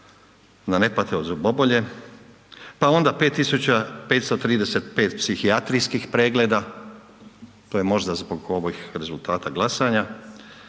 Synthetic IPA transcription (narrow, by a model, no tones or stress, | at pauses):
d̪ane̞pat̪eozubo̞bo̞ʎe̞ | pao̞nd̪ape̞ːt̪ːisut͡ɕape̞ːt̪st̪ot̪ɾiːd̪e̞se̞t̪pe̞ːt̪psixiat̪ɾijskixpɾe̞ːɡle̞d̪a | t̪ojemo̞ʒd̪azbo̞ɡo̞ʋojxɾe̞zult̪aːt̪aɡlˠasaɲa